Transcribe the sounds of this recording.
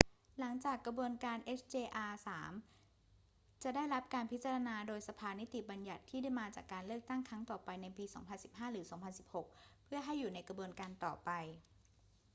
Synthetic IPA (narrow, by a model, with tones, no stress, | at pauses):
la˩˦ŋt͡ɕaː˨˩kɾa˧bu˧ənkaː˧nʔe˦˥st͡ɕeː˧ʔaː˧saː˩˦m | t͡ɕa˨˩da˥˩jɾa˦˥p̚kaː˧npʰi˦˥t̪̚t͡ɕa˧ɾa˧naː˧doː˧jsa˧pʰaː˧ni˦˥t̪i˨˩ba˧nja˨˩t̪ʰːiː˥˩da˥˩jmaː˧t͡ɕaː˨˩kːaː˧nlɯ˥˩k̚t̪a˥˩ŋkʰɾa˦˥ŋt̪ɔː˨˩pa˧jna˧jpiː˧sɔː˩˦ŋpʰa˧nsi˨˩p̚haː˥˩ɾɯː˩˦sɔː˩˦ŋpʰa˧nsi˨˩p̚ho˨˩k̚pʰɯ˥˩ɐɦa˥˩jːuː˨˩na˧jkɾa˧bu˧ənkaː˧nt̪ɔ̰ː˨˩pa˧j